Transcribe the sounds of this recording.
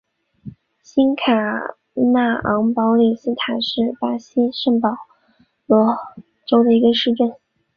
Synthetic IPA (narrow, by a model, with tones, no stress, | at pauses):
ɕi˥nkʰa˨˩ | na˥˩ɑ˧˥ŋpɑ˧˥ʊli˨˩sɹ̩˥t̪ʰa˨˩˦ʂɻ̩˥˩pa˥ɕi˥ʂə˥˩ŋpɑ˨˩ʊ | lɔ˧˥ | ʈ͡ʂo˥ʊd̪ə˨i˧˥ɡə˧ʂɻ̩˥˧ʈ͡ʂə˥˩n